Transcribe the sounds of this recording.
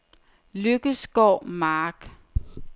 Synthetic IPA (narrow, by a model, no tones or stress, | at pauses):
løɡ̥əsɡ̥ɒʊmɑːɡ̥